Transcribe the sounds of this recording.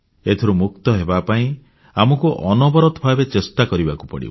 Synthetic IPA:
et̪ʰiɾumuk̚t̪ɔɦebapaĩ | amɔkuʔɔnɔbɔɾɔt̪ɔbʱabet͡ʃest̪akɔɾibaku̥pɔ̰ɽḭb

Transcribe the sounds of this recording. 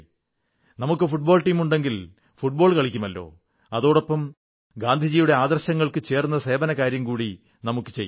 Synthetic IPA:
nɐmukːɨfuʈ̚bo̞ːlʈiːmuɳɖe̞ŋɡil | fuʈ̚bo̞ːɭkɐɭikʲːumɐlːo̞̰ː | ɐðo̞ːɽopːɐm | ɡaːnd̪ʱid͡ʑiːjuɽe̞aːd̪ɐrɕɐŋːɐɭkɨt͡ɕe̞ːrunːɐse̞ːbɐnɐkaːɾjɐmkuːɽi | nɐmukːɨ̥t͡ɕejː

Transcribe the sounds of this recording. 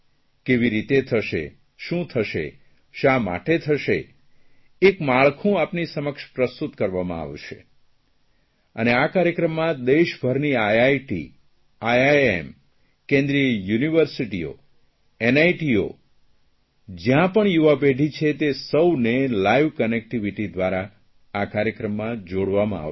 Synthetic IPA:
keʋiɾit̪et̪ʰəʃḛ | ʃũt̪ʰəʃḛ | ʃama̰ʈet̪ʰəʃe | ekmaɭkʰũapnisəməkʃpɾəst̪ut̪kəɾʋamã̰a̰ʋʃḛ | ə̰neakaɾjəkɾəmːãd̪eʃbʱəɾniajajʈḭ | ajaḛm | kẽnd̪ɾijəjuniʋəɾsiʈio̰ | ɛnajʈio̰ | d͡ʒjãpəɳjuʋapeɖʱit͡ʃʰet̪esəwnelaiʋkənek̚ʈiʋiʈid̪ʋaɾaː | kaɾjəkɾəmːãd͡ʒoɽʋamã̰a̰

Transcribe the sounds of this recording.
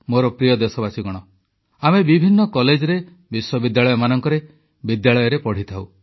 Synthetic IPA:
moɾɔpɾijɔd̪esɔbasiɡɔɽ̃ɔ | amebibʱinːɔkɔled͡ʒɔɾe | biswɔbid̪jaɭɔjɔmanɔŋkɔɾe | bid̪jaɭɔjɔɾepɔɽ̤it̪ʰaw

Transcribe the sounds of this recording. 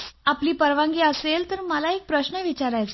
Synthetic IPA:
apliːpəɾʋãŋɡiːəselt̪əɾməlaek̚pɾəɕnəʋit͡ɕaɾajt͡s

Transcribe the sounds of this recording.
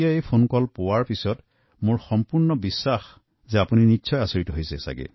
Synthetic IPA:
ijaejpʰonkɔlpowaɹpisɔt | mʊɹxɔmpuɹnɔbisːax | zɛapuninitːsʰɔjasoɹitɔɦojsɛsa̰ɡɛ̰

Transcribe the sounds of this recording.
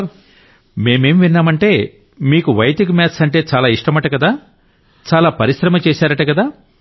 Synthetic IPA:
me̞ːme̞ːmʋinːaːmɐɳʈe̞ː | miːkuʋɐjt̪ikumaːt̪ʰsɐɳʈe̞ːt͡ʃaːlaːiʂʈɐmɐʈːɐkɐd̪aː | t͡ʃaːlaːpɐɾiʃɾɐmɐt͡ʃeːsaːɾɐʈɐkɐd̪aː

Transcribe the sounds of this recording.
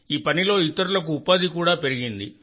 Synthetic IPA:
iːpɐnilo̞ːit̪ːɐɾulɐkuːpaːd̪ikuːɽaːpe̞ɾiɡind̪i

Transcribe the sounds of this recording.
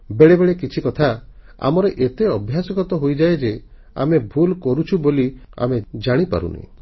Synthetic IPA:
beɭebeɭekit͡ʃʰikɔt̪ʰa | a̰mɔɾeʔet̪eɔbʱjasɔɡɔt̪ɔɦojd͡ʒaed͡ʒe | a̰mebʱulkɔɾut͡ʃʰubolia̰med͡ʒaɽ̃ipa̰ɾṵnḛ

